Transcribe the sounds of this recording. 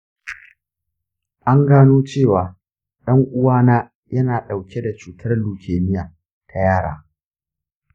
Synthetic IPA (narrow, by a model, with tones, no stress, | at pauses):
ʔa˦ŋɡaː˦noː˦t͡ʃeː˦˨waː˨ | ɗɐ˦ŋʔʊ˦waː˦naː˦ | jɐ˦naː˨ɗa˨wkʲe˦da˨t͡ʃuː˨tʰɐ˦rluː˨kʲʰeː˨nɪ˦jaː˨ | tʰa˨jaː˦˨ɽa̰ː˨